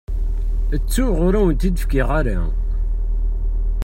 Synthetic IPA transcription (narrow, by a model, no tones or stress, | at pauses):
ət͡sːuʁʊɾæwənt̪id̪əfkɪʁaɾa̰